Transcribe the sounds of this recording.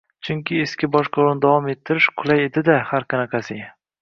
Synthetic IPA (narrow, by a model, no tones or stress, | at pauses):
t͡ʃʰʊŋkʲɪeskʲɪbɒʃqʰoɾʊnɪd̪avɒme̞t̪ʰːɪɾɪʃqʰʊlˠajed̪ɪd̪ahaɾqʰɑnaqʰɑsɪ